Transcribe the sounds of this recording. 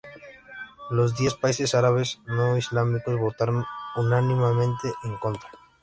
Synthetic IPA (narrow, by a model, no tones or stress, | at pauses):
lo̞zd̪je̞spaise̞saɾaβe̞znoizlamiko̞zβo̞t̪aɾonunanĩmamẽnt̪eʔeŋko̞nt̪ɾa